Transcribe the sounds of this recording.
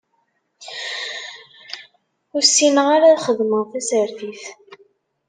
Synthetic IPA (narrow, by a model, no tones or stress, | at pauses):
ʊɾsːinəʁaɾaðχəðməʁθæsəɾθiθ